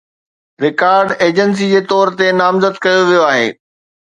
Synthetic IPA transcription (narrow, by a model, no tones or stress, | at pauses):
ɾɪkaːɾɖeːd͡ʑəns̬id͡ʑeːt̪ɔːɾt̪enaːmzəd̪kɐjoʋijoaːɦḛː